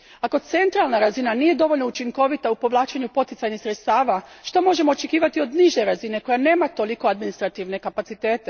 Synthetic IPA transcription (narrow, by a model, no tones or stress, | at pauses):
ako̞t̪se̞nt̪ɾalˠnaɾazinanije̞d̪o̞ʋo̞lʎnout͡ʃiŋko̞ʋit̪aupo̞ʋlˠaːt͡ʃeɲupo̞t̪it̪saɲnisɾet̪st̪aːʋaʃt̪o̞mo̞ʒe̞mo̞ːt͡ʃekiːʋat̪io̞d̪niʒe̞ɾazine̞ko̞jane̞ːmat̪o̞liko̞ad̪minist̪ɾat̪iʋne̞kapat̪sit̪e̞ːt̪e̞